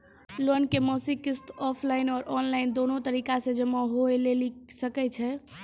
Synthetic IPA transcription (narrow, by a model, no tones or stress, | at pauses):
lonkemɔsikist̪ɔpʰlaɪnɔːɾʔɔnlaɪnd̪onot̪əɾikasẽd͡ʒəmaɦoelelisəkɛt͡ʃʰɛ